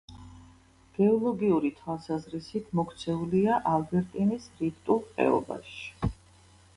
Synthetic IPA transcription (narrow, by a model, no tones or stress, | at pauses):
ɡ̥ɛɔlˠɔɡiuɾit̪ʰwalˠsazɾisit̪ʰmɔkʰt̪sʰɛuliaʔalbɛɾt̪ʼinisɾipt̪ʼulˠqʼɛ̰ɔ̰ba̰ʃi̥